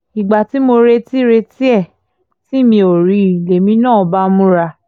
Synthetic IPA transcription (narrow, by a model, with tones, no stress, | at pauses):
i˨ɡ͡ba˨ti˨˦mo˧ɾe˧ti˦ɾe˧ti˦ɛ˦˨ | ti˦˨mĩ˧o˨ɾi˨˦˨le˨mĩ˧˦nãː˦˨ba˦mũ˦ɾa˧